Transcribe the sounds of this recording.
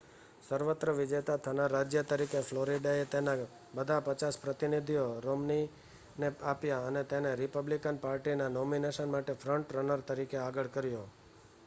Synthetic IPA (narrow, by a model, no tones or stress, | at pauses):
səɾʋət̪ɾəʋɪd͡ʒet̪at̪ʰənaɾad͡ʒjət̪əɾikefʰloɾiɖaet̪ena | bəd̪ʱapət͡ʃaspɾət̪inid̪ʱijoɾomni | neapjaənet̪eneɾɪpəblikənpaɾʈinanomineʃənmaʈefʰɾəɳʈɾənəɾt̪əɾikeaɡəɭkəɾjo